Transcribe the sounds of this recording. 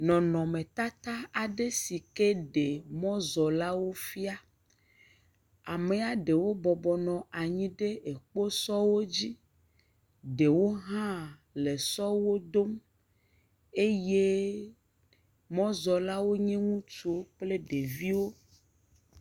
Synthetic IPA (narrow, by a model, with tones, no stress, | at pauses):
nɔ̃˨nɔ̃˨mẽ˨t̪a˦t̪a˦a˨ɖe˦si˨ke˦ɖe˨mɔ̃˦zɔ˨la˦wo˦fi˦a˦ | a˨me˨a˨ɖe˨wo˦bɔ˨bɔ˨nɔ̃˨a˨ɲĩ˦ɖe˦e˨k͡po˦sɔ˦wo˦d͡ʑi˦ | ɖe˨wo˦ɦã˦ | le˨sɔ˦wo˦d̪o˦m | e˦je˦ | mɔ̃˦zɔ˨la˦wo˦ɲɛ̃˦ŋũ˦t͡ʃu˦k͡ple˦ɖe˨vi˦wo˦